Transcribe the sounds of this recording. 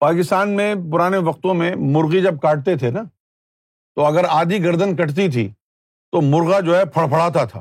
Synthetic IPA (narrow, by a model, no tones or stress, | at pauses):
paːkɪst̪aːnmẽpʊɾaːneʋɐq̚t̪õmẽmʊɾɣid͡ʒɐb̚kaːʈ̚t̪et̪ʰena | t̪oɐɡəɾaːd̪iɡɐɾd̪ənkɐʈt̪̬it̪ʰḭː | t̪omʊɾɣad͡ʒoːɦɛpʰɐɭpʰɐɽ̤aːt̪at̪ʰa̰ː